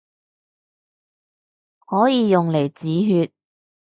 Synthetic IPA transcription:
hɔː˨˥jiː˨˧jʊ˨ŋle˨˩jt͡siː˨˥ɦyː˧t̚

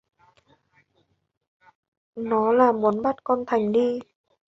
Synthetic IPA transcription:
nɔ˨˦laː˨˩mu˨˦ənɓa˦˥t̚kɔ˧nt̪ʰa˨˩jŋ̟ɗi˧

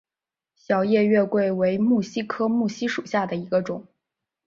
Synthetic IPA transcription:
ɕjɑ˧˥ʊjɛ˥˧ɥɛ˥˧kwe˥˩ɪwe˧˥ɪmu˥˩ɕi˥kʰɤ˥mu˥˩ɕi˥ʂu˨˩ɕja˥˩d̪ə˩i˧˥ɡə˧ʈ͡ʂʊ˨˩˦ŋ

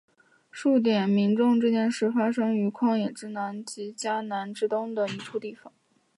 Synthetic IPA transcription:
ʂu˥˩t̪̬jɛ˨˩nmi˧˥ŋʈ͡ʂʊ˥˧ŋʈ͡ʂ̩˥˧t͡ɕjɛ˥nʂɻ̩˥˩fa˥ʂɤ˥ŋy˧˥kʰwɑ˥˩ŋjɛ˨˩ʈ͡ʂɻ̩˥na˧˥nt͡ɕi˧˥t͡ɕja˥na˧˥nʈ͡ʂɻ̩˥t̪ʊ˥ŋd̪ə˨i˧˥ʈ͡ʂʰu˥t̪i˥˩fɑ˨˩˦ŋ

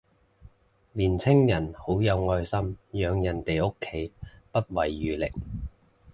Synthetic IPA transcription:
liː˨˩nt͡sʰɪ˥ŋjɐ˨˩nho˨˥wjɐ˨˧wŋɔː˧jsɐ˥mjœː˨˧ŋjɐ˨˩nt̪e˨jo˥kʰːe˨˥jpɐ˥t̚wɐ˨˩jːyː˨lɪ̰˨˩k̚

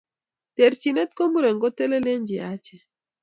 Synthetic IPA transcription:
tɛ˨ɾt͡ʃi˨nɛ˦t̪ko˦mu˦ɾɛ˨ŋɡɔ˦te˦le˦le˦ɲd͡ʒɪ˨a˦t͡ʃɛ˨

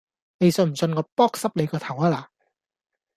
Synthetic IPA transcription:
ne˨˧jsɵ˧˩m̩˨˩t͡sɵ˧nkɔː˧pɔː˥k̚sɐ˥p̚le˨˧jkɔː˧t̪ʰɐ˨˩waː˧laː˨

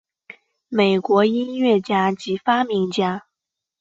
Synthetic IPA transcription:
me˨˩ɪkwɔ˧˥i˥nɥɛ˥˩t͡ɕja˥t͡ɕi˧˥fa˥mi˧˥ŋt͡ɕja˥

